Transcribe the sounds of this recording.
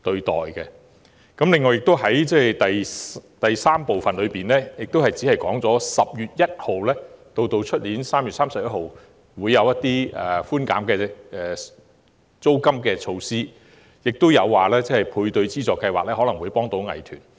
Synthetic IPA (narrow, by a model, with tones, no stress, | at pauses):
t̪ɵ˧ɥt̪ɔ̰ː˨jkɛ˧ | kɐ˨˥mlɪ˨ŋːɔː˨jɪ˨k̚t̪o˥wɦɐ˨˥jt͡sɛː˥jt̪ɐ˨jt̪ɐ˨jsaː˥mpo˨wfɐ˨nlɵ˨˧ɥpiː˨nlɛː˥jɪ˨k̚t̪whɐ˨jt͡siː˨˥hɐ˨jkɔː˨˥ŋt͡sɔː˨˥sɐ˨p̚jyː˨t̚jɐ˥t̚ho˨wlɛː˥t̪o˧wt̪o˧wt͡ʃʰɵ˥t̚liː˨˥nsaː˥mjy˨t̚saː˥msɐ˨p̚jɐ˥t̚ho˨˩w | wuː˨˧jːɐ˨˧wjɐ˥t̪iː˥ɛ̰˨˩fuː˥nka̰ː˨˥mkɛː˧ɛː˨ | t͡so˥wkɐ˥mkɛː˧t͡ʃʰo˧wsiː˥ | jɪ˨k̚t̪o˥wjɐ˨˧wːaː˨lɛː˥t͡sɛː˥hɐ˨˩jpʰuː˧jt̪ɵ˧ɥt͡siː˥t͡sɔː˨kːɐ˧jwaː˨k̚lɛː˥hɔː˨˥lɐ˨˩ŋwuː˨˧jpɔː˥ŋt̪o˨˥wŋɐ̰˨˩jt̪ʰyː˨˩n